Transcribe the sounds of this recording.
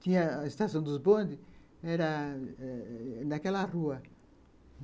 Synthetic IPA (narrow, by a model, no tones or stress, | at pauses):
t̪ĩɲɐest̪asɐ̃w̃d̪uzbõnd̪i | ɛɾɐ | nakɛlɐruɐ